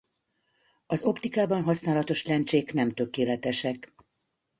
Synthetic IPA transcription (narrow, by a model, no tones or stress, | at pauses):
ɒzo̞pt̪ikaːbɒnɦɒsnaːlɒt̪o̞ʃlɛnt͡ʃeːknɛmt̪økeːlɛt̪ɛʃɛk